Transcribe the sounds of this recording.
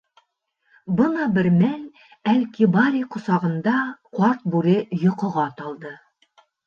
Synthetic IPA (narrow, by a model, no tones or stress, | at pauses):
bɤnɑbɘ̆ɾmæl | ælkibɑɾʲiqŏsɑʁɤ̆nd̪ɑqwɑɾt̪̚bʉɾɘjŏqŏʁɑt̪ɒlˠd̪ɤ